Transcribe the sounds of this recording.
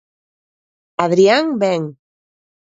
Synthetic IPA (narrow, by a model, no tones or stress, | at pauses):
aðɾiaŋbeŋ